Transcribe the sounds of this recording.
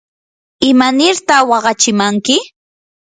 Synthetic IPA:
ɪmanɪɾt̪ɑχwɑɢɑt͡ʃɪmaŋkɪ

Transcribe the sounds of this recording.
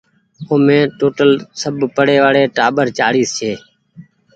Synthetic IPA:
oːmẽːʈoːʈəlsəbpəɽeːʋaːɽeːʈaːɓəɾt͡ʃaːɽiːst͡ʃʰeː

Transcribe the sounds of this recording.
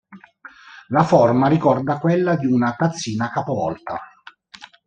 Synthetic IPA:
lafɔrmaɾikɔrd̪akwelːad̪iunat̪at̪sːiːnakapovɔ̰lt̪a̰

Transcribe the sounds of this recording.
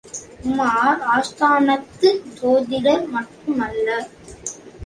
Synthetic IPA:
maːaːst̪ʰaːnɐt̪ːɯt̪oːðɪɽɐɾmɐʈrɯmɐlːɐ

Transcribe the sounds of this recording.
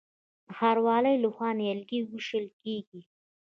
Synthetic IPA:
xaɾwɑləjləxwɑnɪjalɡiɡuʃəlkeɡi

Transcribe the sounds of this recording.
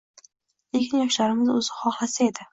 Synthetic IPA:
ekʲʰɪnjɒʃlaɾɪmɪzɵzɪχɒχlˠasae̞d̪ɪ

